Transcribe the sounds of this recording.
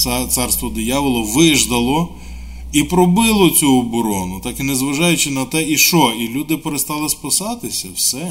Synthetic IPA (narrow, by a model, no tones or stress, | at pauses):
t̪sɑrst̪ʋɔd̪ɔjaʋɪlˠɔʋɪʒd̪ɐlˠɔ | ipɾɔbɪlˠɔt͡sʲuɔbɔɾɔnʊt̪ɑkinezʋɐʒɑjʊt͡ʃɪnɐt̪ɛiʃɔilʲud̪ɪpeɾest̪ɑlˠɪspɐsɑt̪ɪsʲɐwsɛ